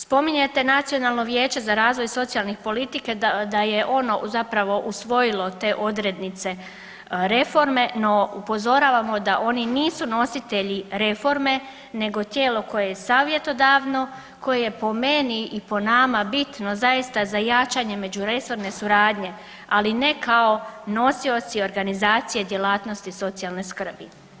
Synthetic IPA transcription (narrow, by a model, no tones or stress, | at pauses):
spo̞miɲet̪e̞nat̪sijo̞nalˠno̞ʋje̞ːt͡ɕe̞zaɾaːzʋo̞jso̞t̪sialˠnixpo̞lit̪iked̪ajeʔo̞no̞zapɾaʋo̞ʔusʋo̞jilo̞t̪e̞ːʔo̞d̪ɾe̞d̪nit̪se̞ | ɾe̞fo̞ɾme̞no̞upo̞zo̞ɾaːʋamo̞d̪aʔo̞niniːsuno̞sit̪e̞ʎiɾe̞fo̞ɾme̞ | ne̞ɡo̞t̪je̞ːlo̞ko̞je̞jesaːʋje̞t̪o̞d̪aːʋno̞ | ko̞jeje̞po̞me̞niʔipo̞namabit̪no̞zajist̪azajat͡ʃaɲe̞me̞d͡ʑuɾe̞so̞ɾne̞suɾaːd̪ɲe̞ | aline̞kʰaono̞sio̞t̪sio̞ɾɡanizaːt̪sije̞d̪je̞laːt̪no̞st̪iso̞t̪sijalˠne̞skr̩bi